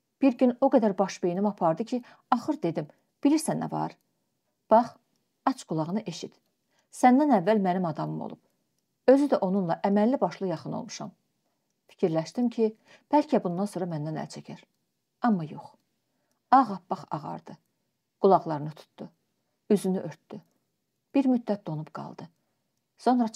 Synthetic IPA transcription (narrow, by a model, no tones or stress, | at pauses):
b̥iɾɟyno̞ɡæd̪æɾbɑʃbejinimɑpʰɑɾd̪ɯcʰi | ɑχɯɾd̪e̞d̪im | b̥iliɾsænæ̰vɑ̰ɾ | b̥ɑχ | ɑt͡ʃɡ̥ulˠɑʁɯnɯʔe̞ʃit̪ | sænd̪ænævːælmænimɑd̪ɑmɯmo̰lˠṵb̥ | ø̞zyd̪æʔo̞nunlˠɑʔæmælːibɑʃlˠɯjɑχɯno̰lˠmu̥ʃɑ̰m | fi̥cʰiɾlæʃt̪imcʰi | b̥ælcʰæbund̪ɑnso̞ːɾɑmænd̪ænæ̰lt͡ʃʰæcʰæɾ | ɑmːɑjo̞̰χ | ɑʁɑpbɑχɑ̰ʁɑ̰ɾd̪ɯ | ɡ̥ulˠɑʁlˠɑɾɯnɯt̪ʰu̥t̪d̪̥u | yzynyʔøɾt̪d̪̥y | b̥iɾmyd̪ːæt̪̚d̪o̞nubɡɑ̰lˠd̪ɯ | so̞nɾɑ